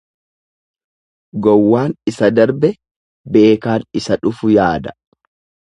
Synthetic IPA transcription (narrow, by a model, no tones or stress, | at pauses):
ɡɔwːaːnɪsɐd̪ɐɾbɛ | be̞ːkaːnɪsɐᶑʊfʊjaːd̪ɐ̥